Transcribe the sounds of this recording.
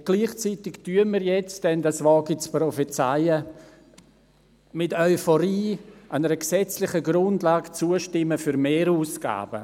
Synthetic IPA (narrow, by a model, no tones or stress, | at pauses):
ɡ̥liːχt͡sitɪktyənmiɾjɛt͡sd̥ɛndasvɔːɡit͡sprɔfɛt͡saɪə | mɪtœʏfɔɾiːʔanəɾəksɛt͡slɪχəɡɾʊndlaːɡt͡suəʃtɪmːəfyɾmeːɾuːsɡ̥a̰ːb̥ə